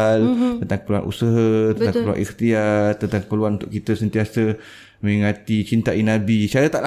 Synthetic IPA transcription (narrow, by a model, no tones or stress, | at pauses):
lt̪ənt̪aŋkə̥pəlua̰nʔṵsəɦət̪əaŋəplua̰nʔixt̪iat̪ənt̪aŋkə̥pəluanunt̪ʊʔkit̪əsənt̪iasə | mə̃ŋãt̪it͡ʃint̪aʔinãbit͡ʃaɾat̪aʔla